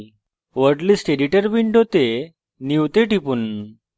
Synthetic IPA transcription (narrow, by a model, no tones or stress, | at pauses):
ʋəɽlisʈeɖiʈəɾbiɳɖɦot̪e | niwt̪eʈipun